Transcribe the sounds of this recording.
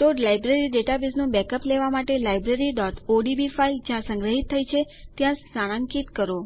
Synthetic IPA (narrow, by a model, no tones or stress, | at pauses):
ʈ̪oɖlajbɾeɾiɖeʈabiznũbɛkəpleʋamaʈelajbɾeɾiɖɔt̪ʰoɖibifajd͡ʒjãsə̃ŋɡɾəɦit̪ʰːəjt͡ʃʰet̪jãsaɽ̃ãŋkit̪kəɾo